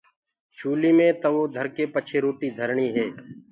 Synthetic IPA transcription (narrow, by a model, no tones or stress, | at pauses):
t͡ʃʰuːliːmẽːt̪əʋoːd̪ʱəɾkeːpət͡ʃʰeːɾoːʈiːd̪ʱəɾɳiːɦɛː